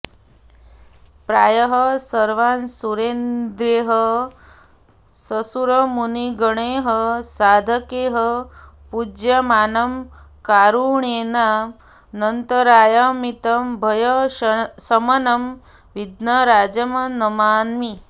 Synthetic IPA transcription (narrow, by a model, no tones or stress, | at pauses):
pɾaːjɐɦɐsɐɾʋaːnsuɾeːnd̪ɾeːɦə | sɐsuɾɐmuniɡɐɳeːɦəsaːd̪ʱɐkeːɦəpud͡ʒjɐmaːnɐm | kaːɾuɳeːna | nɐnt̪ɐɾaːjɐmit̪ɐmbʱɐjɐsɐmɐnɐm | ʋid̪nɐɾaːd͡ʒɐmɐnɐmaːnmi